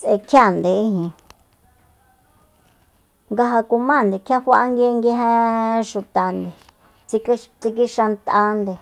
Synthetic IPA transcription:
t͡sʔe˧kʰja˦˨nd̪e˨i˦ɦĩ˨ | ŋɡa˧ɦa˧ku˧mã˦˨nd̪e˨kʰja˦ɸa˦˧ʔa˧ŋɡe˧˦˧ŋɡe˧˦ɦẽ˦ʃu˧t̪a˨nd̪e˨ | t͡si˧kt͡si˧k̬i˦ʃa˧nt̪ʔa˧nd̪e˨

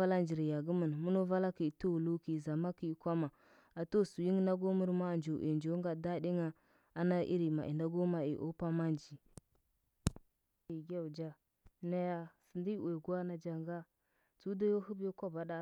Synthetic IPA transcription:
a˦la˦nd͡ʒi˨ɾja˨ɡu˦mə˨n˨mu˦no˦va˦la˦ki˨tu˦wu˨lu˦ki˨za˨ma˦ki˦˨kʷa˦ma˨ | a˨to˦˨su˨ji˦ŋ˦na˦ɡo˦mu˦ɾma˦˨nd͡ʒo˨ʔḛ˨nd͡ʒo˨˦ɡa˨da˦di˦ŋa˦ | a˦na˦ʔḭ˦ɾi˨ma̰˨ʔḭ˨nda˦ɡo˦ma˨ḭ˨ʔo̰˦pa˦ma˦nd͡ʒi˨ | i˨ɡʲa˦u˨d͡ʒa˦ | na˦ja˦sə˨ndi˦˨we˨ɡu˦a˦na˨d͡ʒa˨ŋɡa˦ | t͡su˦da˦jo˦hu˦bjo˦kʷa˦ba˨da˦

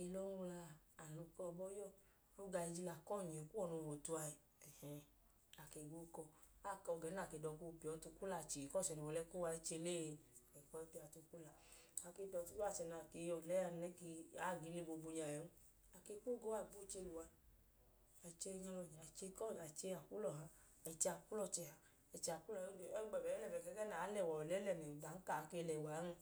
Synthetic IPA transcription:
i˧lɔ˦u˧laː˧˨lu˧kɔ˦˧bɔ˦jɔ˦˨ | o˦ɡa˧i˧d͡ʒi˧la˨kɔ˦˨ɲe˨ku˦wɔ˦˨no˧˨wo˨tu˧a˧i˨ | ɛ˨hɛ̃˨˧ | a˨ke˧˨ɡu˦kɔ˧ | a˦˨kɔ˧˨ɡɛ˨˦na˦˨ke˧˨dɔ˧ku˦˧pi˨ɔ˨˦tu˧ku˦la˧˨t͡ʃi˨kɔ˦˨sɛ˨nu˨wɔ˨lɛ˦ku˦wa˧i˦t͡ʃe˧le˦˨˧ɛ˨kɔ˧˦ɛ˧˦pi˧a˧˨tu˧ku˦la˧˨ | a˧˨ke˧˦dɔ˧tu˧˦ko˦a˦˨sɛ˨na˨ke˨˧˨jɔ˨lɛ˦a˧n˧˦ɛ˦ki˧a˦˨ɡi˨˦ni˦˧˦bo˧bu˧ɲa˨jɛ˨˦nu˦ | a˨ke˧˦ku˦ɡo˦a˦˨bu˦t͡ʃe˧lu˨wa˧ | a˨i˨t͡ʃe˧ɲa˧lɔ˨ɲ˨a˨t͡ʃe˧kɔ˦˨a˨t͡ʃe˧a˨ku˦lɔ˨ɦa˧ | a˨i˨t͡ʃe˧a˨ku˦lɔ˧˨t͡ʃɛ˧˨ha˧ | ɛ˨˧˨t͡ʃe˧a˨ku˦lɔ˦˨˦ɛ˦ɡ͡bɛ˨bɛ˨˦lɛ˦˨bɛ˨kɛ˧˦kɛ˦na˨˦lɛ˦˨wɔ˨ɔ˨lɛ˨˦lɛ˧˨mɛ˨ba˨˦n̩˦ka˨˧ke˧lɛ˨wa˨˦n˧

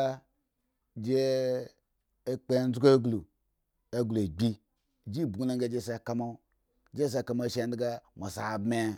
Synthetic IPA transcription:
a˦ | d͡ʒe˦ | e˦k͡pe˦˨n˦zɡe˦ɡlu˨ | e˦ɡlu˨e˨ɡ͡bʲi˦˨ | d͡ʒi˦˨bɡu˦na˦ŋɡe˦˨d͡ʒe˦˨se˨ka˦mo˦˨ | d͡ʒe˦s̬e˦˧˨ka˨mo˦˨ʃe˨n˦dɡa˦mo˨sa̰˨bme˦

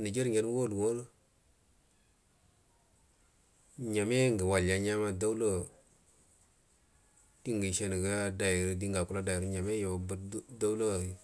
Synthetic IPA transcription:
ni˨d͡ʒi˦ɾɲe˨ɾwo˦˨du˨wo˦l | ɲa˨me˦ŋɡə˨wa˨lja˨ɲa˦ma˦da˦u˦lo˦˨ | ti˦ŋɡi˨ʃe˨ni˨ɡa˦da˨ji˨ɾdi˦ŋɡa˨ku˦la˦da˨ji˨ɾɲa˨me˦jo˨bə˦da˦u˦lo˦˨

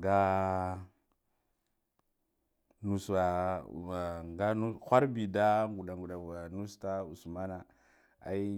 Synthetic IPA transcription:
ɡa˦ | nu˨sa˨ | ŋɡa˦nu˦xʷa˦ɾbi˨da˦ŋɡu˨ɗa˨ŋɡu˨ɗa˨ɡa˨nu˦sta˦u˨sma˦na˨ | a̰˨˦i˦

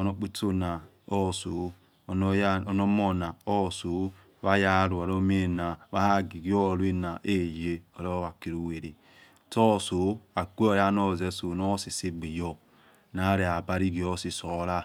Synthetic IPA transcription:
o˨no˦k͡pi˦to˦na˨ | o˦˨so˨˦˨ | n˦o˨no˦mo˦na˨o˦˨so˨˦ | βa˦ja˦ɾu˨a˨ɾo˦m˦e˦˨na˨βa˦ha˦ɡi˨ɡi˦o˦˨lu˦i˦na˨ʔe˦je˦o˨ɾo˦βa˨ki˨ɾu˦we˨ɾi˨ | tɔ˦˨so˨˦a˨kʷe˦o˦ja˦no˦˨ze˦so˨no˦si˨si˦ɡ͡bi˨jɔ˦ | na˨˦ɾe˨a˨ba˦ɾi˦ɡi˨o˦si˨so˨˦la˦˨

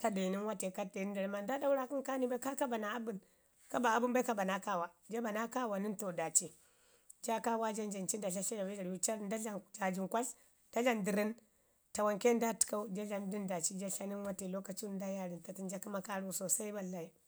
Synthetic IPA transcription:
ka˦de˨ni˦nwa˦te˨ka˦de˨ni˦da˨ɾi˦ma˨nda˦da˦u˦ɾa˦ki˦nka˦ni˦ba˦ka˦ka˦ba˨na˨a˦bu˦n | ka˦ba˨a˨˦bu˦nba˦ka˦ba˨na˦ka˦˨wa˨d͡ʒa˦ba˨na˦ka˦wa˨ni˦nto˨da˨t͡ʃi˦ | d͡ʒa˦ka˦wa˦d͡ʒa˦nd͡ʒa˨nt͡ʃi˦nda˨ɬa˦ɬa˦ja˨ba˦d͡ʒa˨ɾju˦t͡ʃa˦˨nda˦a˨d͡ʒa˨d͡ʒi˨ŋkʷa˦ɬ | da˦ɮa˦ndi˨ɾi˦n | ta˨wa˨ŋke˦n˦da˦ti̥˨ka˦u˦d͡ʒa˦ɮa˨ndi˦nda˨t͡ʃi˦d͡ʒa˦ɬa˦ni˦nwa˦te˨lo˦ka˨t͡ʃu˦n˦da˦ja˦ɾi˨nta˨ti˦nd͡ʒa˦ki˦ma˦ka˦ɾu˦˨so˨sa˦i˦ba˦lːa˨i˦

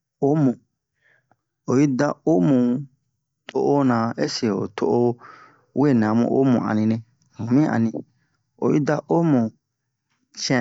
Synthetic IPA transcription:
o˦mũ˨ | o˨ji˦da˦o˦mũ˨ | tʰo˦˨ʔo˦nã˨e˦se˨o̰˨tʰo˦ʔo˦ | we˦˨nã˨˦mṵ̃˦ʔo̰˦mṵ̃˨a̰˨nĩ˨nẽ˧ | hũ˨mĩ˦ã̰˨nĩ˨ | o̰˨ji˦da˦ʔo˦mũ˨ | t͡ʃɛ̃˨

